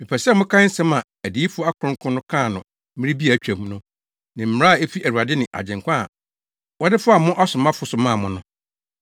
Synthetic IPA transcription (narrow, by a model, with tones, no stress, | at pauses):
mɪ̃˨pʰɛ˨sɛ˦mʊ̃˦kʰã˦n̩˦sɛ̃˦mã˨ | æ˨diː˨˦fʊ˦a˦kʰʊ˨ʊ̃˦ŋ˦kʰʊ̃˦nʊ̃˦kʰãː˦˨nʊ̃˨˦ | ɪ̃˦ɾi˦bi˦æ˨t͡ɕᶣæ̃˨m˦nʊ̃˦ | nɪ̃˨m̩˨˦a˦a˨e˦fi˦ʔæ˨ɾu˨a˨dɪ˦nɪ̃˨ʔa̰˨d͡ʑɪ̃˨ŋ˨kʷã˦a̰˨ | wɔ˦dɪ˦fʊ˦a˨mʊ̃˦ʔa˦sʊ̃˨mã˦fʊ˨sʊ˨mãː˦˨mʊ̃˨nʊ̃˦